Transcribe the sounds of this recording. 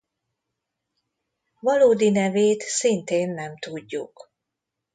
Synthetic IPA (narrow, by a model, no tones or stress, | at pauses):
vɒloːd̪inɛveːt̪sint̪eːnːɛmt̪uɟːṵk